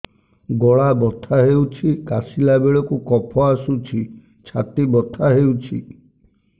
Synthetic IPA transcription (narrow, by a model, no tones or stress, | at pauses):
ɡɔɭabɔt̪ʰaɦewt͡ʃʰikasilabeɭɔkukɔpʰɔasut͡ʃʰi | t͡ʃʰat̪ibɔt̪ʰaɦewt͡ʃʰḭ